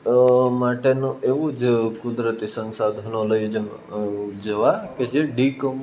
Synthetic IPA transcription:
maːʈenũeʋud͡ʒkʊd̪ɾət̪isə̃nsaːd̪ʱənõlɐi | d͡ʒɐʋaked͡ʒeɖiːkəm

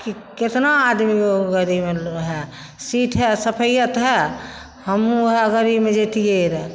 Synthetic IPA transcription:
kiket̪naːd̪mioɡəɾimeɦɛ | siʈʰɦɛsəpʰəjət̪ɦɛ | həmɦɛəɡəɾimẽd͡ʒet̪ijeɾɛ

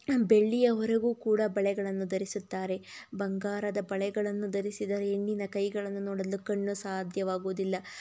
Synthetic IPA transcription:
be̞ɭːijɐʋɐɾɐɡuːkuːɽɐbɐɭɛɡɐɭɐnːud̪ɐɾisut̪ːaːɾe̞bɐŋɡaːɾɐd̪ɐbɐɭɛɡɐɭɐnːud̪ɐɾisid̪ɐɾeeɳːinɐkɐjɡɐɭɐnːunɔːɽɐlːukɐɳːusaːd̪ʱjɐʋaːɡuːd̪ilːɐ

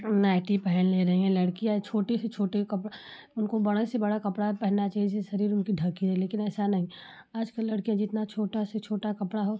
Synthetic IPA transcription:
naːɪʈipɛɦɛlleɾɐɦĩɛ̃lɐɽkiãt͡ʃʰoːʈeset͡ʃʰoːʈekɐp | ʊnkobɐɽasebɐɽakɐpɽaɦɛpɛɦnːat͡ʃaːɦiseʃɐɾiːɾʊnkiɖʱɐkiɦɛleːkɪnɛːsanɐɦĩ | aːd͡ʒkəlːɐɽkijãd͡ʒɪt̪nat͡ʃʰoːʈaset͡ʃʰoːʈakɐpɽaɦoː

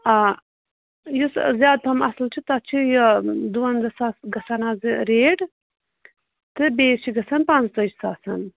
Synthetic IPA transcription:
a | juszjaːd̪̚pʰɐmɐ̰slt͡ʃʰit̪at͡ʃʰijɐd̪uwɐnzɐsaːsɡɐsɐnaːziɾeːɖ | t̪ɨbeːt͡ʃʰiɡɐsɐnpant͡st̪ɐt͡ʃsaːsɐn

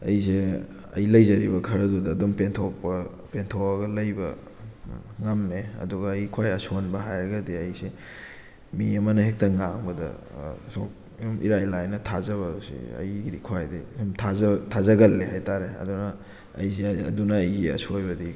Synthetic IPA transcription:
ɐ̰jse | ɐ̰jlɐjzɐɾibɐkʰɐɾɐdudɐːdompentʰok̚pɐ | pentʰowaɡɐlɐjbɐ | ŋɐmːeɐ̰duɡɐːjkʰwajɐsonbɐɦajɾɐɡɐdiɐjse | miɐmɐnɐhek̚tɐŋaŋbɐdɐ̰ | sok̚ | omʔḭɾajlajnɐtʰazɐβɐdusḭɐ̰jɡiɾikʰwajdḭmtʰazɐtʰazɐɡɐlːehajtaɾeɐ̰dunɐː | jseɐ̰dunɐːjɡiɐ̰sojbɐdi

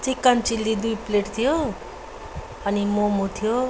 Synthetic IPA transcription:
t͡sikːant͡silːid̪ujpleʈt̪ʰijo | ʌnimomot̪ʰijo

